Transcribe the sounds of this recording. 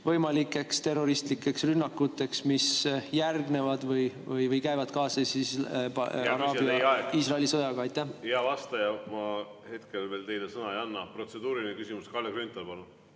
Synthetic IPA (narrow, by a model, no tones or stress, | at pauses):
vɤ̞jmɑlikːˑe̞kst̪e̞rːo̞ɾist̪likːˑe̞ksrynːɑkːut̪ːˑe̞ksmisjærɡne̞vɑd̪vɤj | vɯjvɤjkæjvɑd̪̥kɑːsesi | ɑɾɑːbjɑiːsrɑeliso̞jɑɡ̥ɑɑjt̪ːˑæhjɑvɑst̪ɑjɑmɑ | he̞t̪kelveːlt̪e̞jlesɤnɑejɑnːɑpro̞t̪sed̪uːɾilinekysimuskɑlːeɡ̥rynt̪ːˑɑlpɑlu